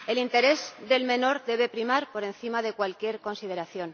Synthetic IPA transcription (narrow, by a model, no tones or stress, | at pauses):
e̞lint̪e̞ɾe̞zðe̞lmẽ̞no̞ɾðe̞β̞e̞pɾimaɾpo̞ɾe̞nθimaðe̞kwalkje̞ɾko̞nsið̞e̞ɾaθjo̞n